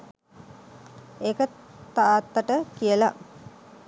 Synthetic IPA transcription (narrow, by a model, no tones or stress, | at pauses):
ekət̪aːt̪ːaʈəkijəla̰